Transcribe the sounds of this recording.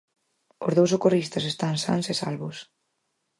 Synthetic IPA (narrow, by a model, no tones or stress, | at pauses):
ozðowsokorist̪ɐs̬est̪aŋsa̰nsesa̰lβʊs